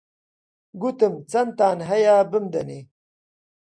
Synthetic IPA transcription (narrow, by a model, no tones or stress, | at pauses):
ɡut̪ɐmt͡sɐnt̪aːnɦɐjaːbəmd̪ɐne